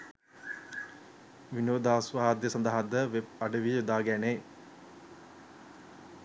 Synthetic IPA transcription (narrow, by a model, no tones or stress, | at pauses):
ʋinoːd̪aːsʋaːd̪jəsɐnd̪əɦad̪əʋeb̚aɖəʋiud̪aːɡæneː